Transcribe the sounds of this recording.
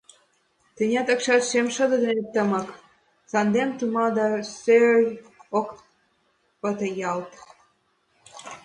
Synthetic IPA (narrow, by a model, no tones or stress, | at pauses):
t̪ənʲɑt̪ə̆kʃɑt̪ʃemʃə̆d̪ə̆d̪enet̪ə̆mɤk | sɑnd̪emt̪umɑd̪ɑsø | ok | pət̪ə̆jɑlt̪